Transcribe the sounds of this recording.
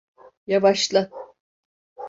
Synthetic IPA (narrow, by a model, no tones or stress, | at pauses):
javaʃlˠa